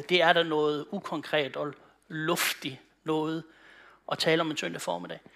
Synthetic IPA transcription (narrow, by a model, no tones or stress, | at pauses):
d̥e̝æɐɾ̥ænɔ̽ːð̞̩ˠukʰɒ̽ŋkʰʁɛ̰ːd̥ɒ̽ | lɔ̽fd̥i | nɔ̽ːð̞̩ˠ | ʔɒ̽t͡sʰɛːləɒ̽me̝nsøn̰d̥əfɒːme̝dɛ̰ː